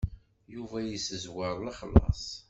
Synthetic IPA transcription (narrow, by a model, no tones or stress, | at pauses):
juvæjisəzwəɾˤlɑχəlːɑ̰sˤ